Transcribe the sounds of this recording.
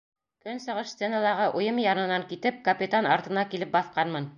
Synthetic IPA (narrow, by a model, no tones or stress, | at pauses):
kɵnsɤ̆ʁɤʃst̪senɑlˠɑɾʁɤʔujɤmjɑnɤ̆nɑŋkit̪ɘp̚kɐpʲit̪anɑɾt̪ɤ̆nɑkilɘp̚bɑθqɑnmɤn